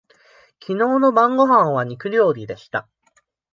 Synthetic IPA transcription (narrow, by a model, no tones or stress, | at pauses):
kʲino̞ːno̞bãŋɡo̞ɦãɰ̃β̞aɲ̟ikɯ̟ɾʲo̞ːɾʲid̪e̞ɕi̥t̪a